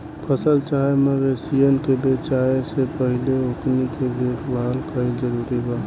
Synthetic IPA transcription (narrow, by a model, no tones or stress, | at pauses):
pʰəsəlt͡ʃaeməɡesijənkebeːt͡ʃaːesepəɦɪleoknikebeːkʰbalkəid͡ʒəɾuːɾibaː